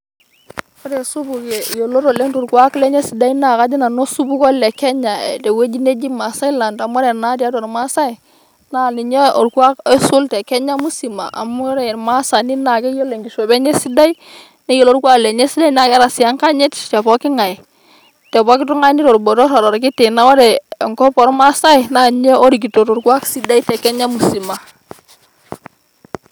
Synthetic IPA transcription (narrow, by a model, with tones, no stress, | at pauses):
fɔ˦ɾɛ˨su˦bu˨kɛ˨jo˨lo˦ɾo˨le˦ntu˨ɾku˨a˦klɛ˦ɲe˦si˨da˦i˦na˨ka˦d͡ʒi˦na˨no˦su˦bu˦kɔ˦lɛ˨kɛ˦ɲa̰˨tɛ˨we˦d͡ʒi˦ne˦d͡ʒi˦ma˨sa˦jla˨nda˨mɔ˦ɾɛ˨na˦di˦a˦dɔ˨ɾma˦sa˦i˨ | na˦li˨ɲe˦ɔ˨ɾku˦a˦ke˦su˦ltɛ˨kɛ˦ɲa˦mu˦si˨ma̰˨ʔa̰˨mu˦ɾɛ˨ma˦sa˨ni˦na˨kɛ˦jo˦lːe˨ŋɡi˨ʃo˨bɛ˦ɲɛ˦si˦da˦i˦ | nɛ˦jo˦lo˦ɾkwa˦klɛ˨ɲɛ˦si˦da˦jna˨ka˦ɾa˨sɪ˨a˦ŋka˦ɲɪ˦tt͡ʃɛ˨pɔ˦kɪ˦ŋa˨j | tɛ˨bɔ˦kɪ˦tʊ˦ŋa˦nɪ˦tɔ˨ɾbɔ˨ɾɔ˦ɾɔ˨ɾɔ˨ɾk̬ɪ˦tɪ˨na˦ɔ˦ɾɛ˨ŋkɔ˦pɔ˨ɾma˦sa˦jna˨nɲe˦o˦ɾi˨k̬i˨to˨to˨ɾkwa˦ksi˦da˦i˦tɛ˨kɛ˦ɲa˦mu˨si˨ma˨